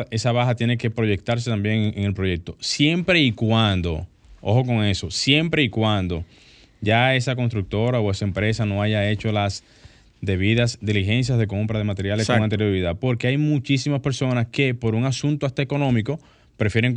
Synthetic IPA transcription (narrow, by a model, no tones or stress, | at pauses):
e̞saβaɦat̪je̞ne̞ke̞pɾo̞ʝe̞k̚t̪aɾs̬e̞t̪ambje̞ŋeŋe̞lpɾo̞ʝe̞k̚t̪o̞sje̞mpɾe̞ikwand̪o̞̰ | o̞̰xoko̞ŋe̞so̞sje̞mpɾe̞ikwand̪o̞ | ʝae̞sak̬o̞nst̪ɾuk̚t̪o̞ɾao̞e̞saempɾe̞sano̞aʝae̞t͡ʃo̞las | d̪e̞β̞iðasd̪iliɦe̞ns̬jazðe̞ko̞mpɾað̞e̞mat̪e̞ɾjalesoŋant̪̬eɾjoɾiðapo̞ɾke̞ajmũt͡ʃisimaspe̞ɾso̞naske̞po̞ɾuŋasũnt̪oast̪aeko̞nõ̞miko̞ | pɾe̞fje̞ɾeŋk